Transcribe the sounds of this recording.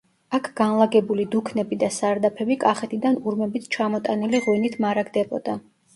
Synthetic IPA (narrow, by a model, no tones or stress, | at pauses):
akʰɡ̥anlˠaɡɛbulid̪ukʰnɛbid̪asaɾd̪apʰɛbikʼaχɛt̪ʰid̪anuɾmɛbit̪ʰt͡ʃʰamɔt̪ʼaniliʁwinit̪ʰmaɾaɡd̪ɛbɔ̰d̪a